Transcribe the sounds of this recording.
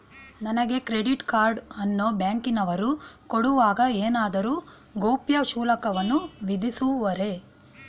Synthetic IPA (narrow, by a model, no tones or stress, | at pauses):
nɐnɐɡe̞kɾe̞ɖiʈkaːɾɖɐnːoːbjaːŋkinɐʋɐɾukoɽuʋaːɡɐeːnaːd̪ɐɾuː | ɡoːpjɐʃuːlɐkɐʋɐnːuʋid̪isuʋɐɾe̞